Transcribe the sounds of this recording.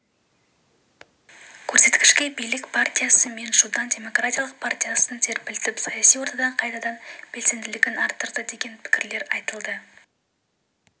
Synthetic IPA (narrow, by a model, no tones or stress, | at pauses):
kʲʰɵɾse̞t̪kʲɪ̥ʃkʲe̞bijlɪkpʰart̪ʲijasəme̞nʒud̪ɑnd̪ʲe̞mo̞krat̪ʲijalˠəq̚pʰart̪ʲijasənt̪ʰe̞ɾpɪlt̪ɪpsɑjɑsijwo̞ɾt̪ɑd̪ɑɴqʰɑjt̪ɑd̪ɑnb̥e̞lse̞md̪ɪlɪɡʲɪnɑɾt̪ːəɾd̪əd̪e̞ɡʲe̞npʰɪ̥kʲɪɾle̞ɾɑjt̪əlˠd̪ə